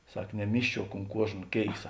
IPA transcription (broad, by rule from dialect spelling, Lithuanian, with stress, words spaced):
ˈsɐk nʲɛˈmʲiːʃʲt͡ʃʲuɔk ʊnt ˈkuɔʒnɐ ˈkʲeːɪsɐ